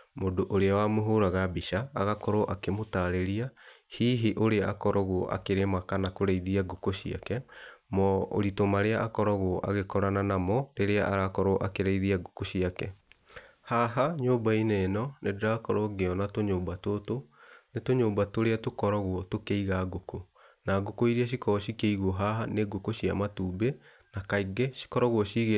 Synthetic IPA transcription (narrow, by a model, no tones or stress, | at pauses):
modoʔoɾeawaːmoɦoɾaɣabiʃaːɣakɔɾɔʔakemotaːɾeɾiahiːɦiʔoɾeaakɔɾɔɣwɔʔa̰keɾemakanakoɾeiðiaɡokoɕia̰kɛmɔo̰ɾitomaɾeaʔakɔɾɔɣwɔʔa̰ɣekɔɾananamɔɾeɾeaʔaɾakɔɾɔʔakeɾaiðiaɡokoɕiakɛ | haɦaɲoːbainenɔnedeɾakɔɾoɡeɔnatoɲoːmbatotonetoɲoːmbatoɾeatokɔɾɔɣwɔtokeiɣaɡoko | naɡokoiɾiaɕ̬ikɔɔɕikeiɣoɔɦaɦaneɡokoɕiamatuːbe | nakaiɡɛɕi̥kɔɾɔɣwɔɕiɣe